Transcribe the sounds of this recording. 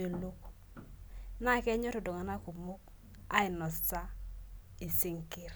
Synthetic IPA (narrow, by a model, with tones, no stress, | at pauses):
o˨lo˦k | na˦˨kɛ˦ɲɔ˦to˨do˨ŋa˨na˦ku˨mu˦k̚ | a˦i˨nɔ˨sta˦ | i˨si˦ŋki˦ɾ